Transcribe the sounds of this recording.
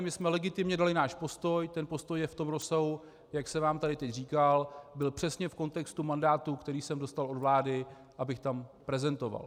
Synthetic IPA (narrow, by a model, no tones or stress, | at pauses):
mɪsmɛlɛɡɪt̪ɪmɲɛdalɪnaːʃpo̞st̪o̞jt̪ɛnpo̞st̪ojjɛft̪o̞mɾo̞saɦu | jaksɛvaːmt̪adɪt̪ɛcriːkalbɪlpr̥ɛsɲɛfko̞nt̪ɛkst̪umandaːt̪ukt̪ɛɾiːsɛmdo̞st̪alo̞dvlaːdɪ | ʔabɪxt̪ampɾɛzɛnt̪o̞va̰l